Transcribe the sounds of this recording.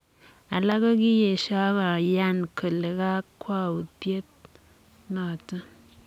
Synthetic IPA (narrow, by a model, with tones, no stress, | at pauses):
a˨la˦ka˦ki˦je˨ʃa˦ka˨ja˦nkʰə˨le˨ka˦kwa˦u˨tje˦t̚ | nɔ˨tə˦